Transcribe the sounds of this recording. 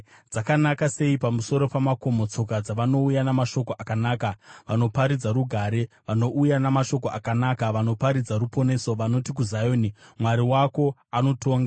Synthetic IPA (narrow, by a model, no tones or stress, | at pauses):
d͡zakanakase̞ipamuso̞ɾo̞pamako̞mo̞t͡so̞kad͡zaʋano̞ujanamaʃo̞koʔakanaːkaʋano̞paɾid͡zaɾuɡʱaːɾe̞ | ʋano̞ʔujanamaʃo̞koakanakaʋano̞paɾid͡zaɾupo̞ne̞so̞ʋano̞tik̬uzajoːnimwaɾiwako̞ano̞tʰoːŋɡa